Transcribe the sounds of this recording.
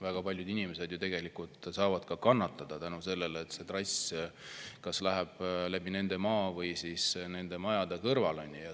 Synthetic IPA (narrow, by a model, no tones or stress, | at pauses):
væɡ̥ɑpɑlʲjud̪inimese̞d̪jut̪e̞ɡ̥e̞likult̪sɑːvɑd̪̥kɑkɑnːɑt̪ːˑɑd̪̥ɑt̪ænuse̞lːe̞leːt̪ːˑse̞t̪rɑs | kɑslæɦæb̥læb̥ine̞nd̪̥e̞mɑːvɤjsisne̞nd̪̥e̞mɑjɑd̪̥ekɤrvɑlonʲːijɑ